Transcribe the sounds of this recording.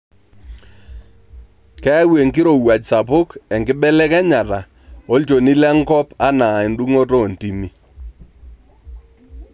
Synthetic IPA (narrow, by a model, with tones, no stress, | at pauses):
kɛ˦we˨ŋkɪ˦ɾo˨wa˨t͡ʃsa˨pʊ˦kɛ˨ŋɡɪ˦ɓɛ˦lɛ˦kɛ˦ɲa˨ta˨ | o˦lt͡ʃo˨ni˦lɛ˦ŋkɔ˦pa˦na˨ɪ˨ndu˦ŋo˦to˦˨nti˨mi˦